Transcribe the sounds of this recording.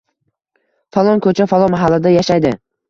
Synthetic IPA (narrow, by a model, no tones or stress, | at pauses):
falˠɒnkʰɵt͡ʃʰafalˠɒmaɦalːad̪ajaʃajd̪ɪ